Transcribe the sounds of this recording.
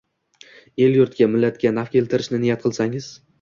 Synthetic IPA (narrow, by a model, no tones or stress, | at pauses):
e̞ljʊɾt̪kʲamɪlːat̪kʲanafkʲʰe̞lt̪ʰɪɾɪʃnɪnɪjat̪qʰɨlˠsaŋɪz̥